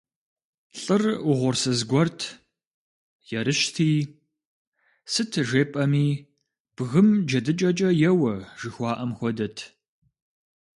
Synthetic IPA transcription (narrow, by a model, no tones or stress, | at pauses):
ɬʼɨrʊʁʷʊrsɨzɡʷɔrtʰ | jɛɾɨʃtʰiː | sɨtʰʒeːpʼɐmiː | b̥ɣɨmd͡ʒɐdɨt͡ʃʼɐt͡ʃʼɐjɛwɐʒ̥ɨxʷɑːʔɐmxʷɔdɐtʰ